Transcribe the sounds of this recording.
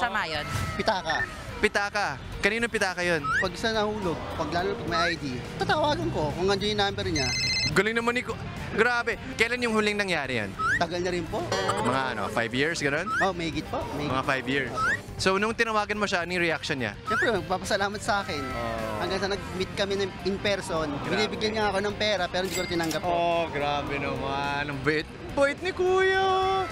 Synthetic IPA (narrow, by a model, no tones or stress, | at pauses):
sɐmajonpɪt̪aːkɐ | pɪt̪aːkɐ | kɐniːnopɪt̪aːkɐjonpɐɡsɐnɐhuːloɡ̚pɐɡlaːlonɐpɐɡ̚mɐjʔɐjd̪it̪at̪ɐwaːɡɐnko̞kʊŋːɐnd͡ʒonjʊnambɛɾɲaɡʊlɪŋnɐmonɪko | ɡɾaːbɛ | kɐjɐlanjʊŋhʊlɪŋnɐŋjaːɾɪja̰nt̪ɐɡɐlnɐɾɪnpoʔmɐŋaʔɐ̰no̞̰fajvjiɹsɡɐno̞nmomɐhiːɡɪt̪̚poʔmɐimɐŋafajvjiɹs | sonʊŋt̪ɪnɐwaːɡɐnmoʃanɪŋɾɛʔak̚ʃonɲa̰sɛmpɾɛmɐɡ̚paːpɐsɐlaːmɐt̪̚sɐʔaːkɛnohɐŋɡaŋsɐnɐɡ̚mɪt̪̚kɐmɛnɐɪŋpɛɾsonbbɪniːbɪɡjɐnɲɐŋɐkonɐŋpɛːɾɐpɛːɾɪnd̪ikʊɾɐt̪ɪnɐŋɡɐp̚oɡɾaːbɛnɐmanɐŋbɐʔɪt̪̚ŋbɐʔɪt̪̚nɪkuːjo